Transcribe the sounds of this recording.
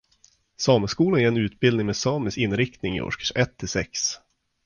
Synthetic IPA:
sɑːməskuːlanɛɾɛnʉ̟ːt̪̚bɪld̪nɪŋmeːsɑːmɪsɪnɾɪk̚t̪nɪŋɪ̰ʔɔ̰ʂkḁʂʔɛt̪ʰːɪsɛks

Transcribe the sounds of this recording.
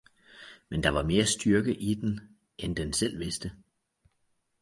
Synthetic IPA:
mend̥ɑ̈ʋɑ̈me̝ːɐsd̥yɐɡ̥əʔid̥en | ʔend̥ensel̰ʋe̝sd̥ə

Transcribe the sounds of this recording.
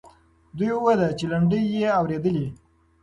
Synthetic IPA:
d̪ujwad̪at͡ʃelaɳɖəjːeawɾed̪əli

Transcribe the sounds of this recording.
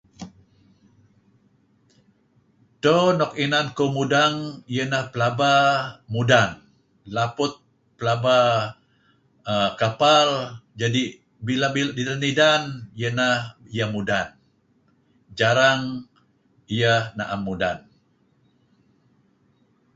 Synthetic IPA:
tonɔk̚inankomudaŋijənahpəlabamudan | lapʊt̪̚ | pəlaba | əkapald͡ʒadi | bilabildidanidanijənahijəmudan | d͡ʒaɾaŋ | ijəhnaʔamːudan

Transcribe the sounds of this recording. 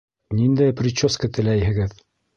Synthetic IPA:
nind̪æjpɾʲɪt͡ɕːoskət̪ɘ̆læjhɘ̆ɡɘð

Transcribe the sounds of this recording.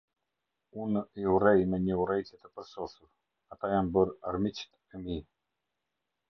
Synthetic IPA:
uniurɛjmɛɲəurɛjt̪ɛt̪əpəɾsɔsuɾ | at̪ajanbəɾaɾmit͡ʃt̪ | ɛmi

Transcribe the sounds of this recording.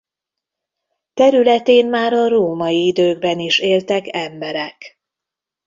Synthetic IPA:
t̪ɛɾylɛt̪eːnmaːɾɒɾoːmɒjiid̪øːɡ̚bɛniʃeːlt̪ɛkɛmbɛɾɛk

